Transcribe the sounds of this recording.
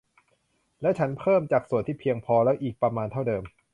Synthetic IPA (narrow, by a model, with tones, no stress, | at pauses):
lɛ˦˥wt͡ɕʰa˦˥npʰɤː˥˩mt͡ɕaː˨˩k̚su˨˩nt̪ʰiː˥˩pʰi˧əŋpʰɔː˧lɛ˦˥wʔiː˨˩k̚pɾa˧maː˧nt̪ʰa˥˩wdɤː˧m